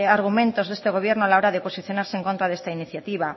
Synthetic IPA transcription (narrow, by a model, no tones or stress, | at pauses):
aɾɣ̞umẽnt̪ozðest̪eɣoβ̞jeɾnoalaoɾaðeposiθjonaɾseŋkõnt̪ɾaðest̪ainiθjat̪iβ̞a